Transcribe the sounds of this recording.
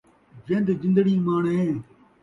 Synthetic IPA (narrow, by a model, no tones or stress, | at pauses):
zẽnd̪zɪ̃nd̪əɡiːmaːɳẽː